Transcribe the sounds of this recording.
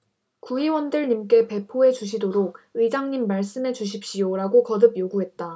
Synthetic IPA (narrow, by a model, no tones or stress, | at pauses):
kuiwʌndɯɭɲimk͈e̞pe̞pʰoe̞d͡ʑuɕʰidoɾok̚ɯid͡ʑaŋɲimːaɭs͈ɯme̞d͡ʑuɕ̬ʰip̚ɕ͈ijoɾaɡokʌdɯbjoɡuɦe̞t̚t͈a